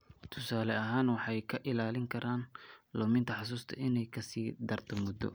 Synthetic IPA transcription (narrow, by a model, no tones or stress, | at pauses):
t̪ʰʊ̥saːlɛɐɦaːnwɑħɑjkʰɐʔɪlaːlɪŋkʰɐɾʔaːnlɔːmɪnt̪ʰɐħɑs̬uːst̪ʰɐ̰ʔɪnɛjkʰɐsiːd̪ɐrt̪ʰɐmʊd̪ɔ̰